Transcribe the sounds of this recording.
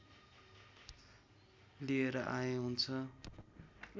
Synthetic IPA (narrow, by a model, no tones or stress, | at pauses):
lieɾʌʔajẽɦunt͡sʰʌ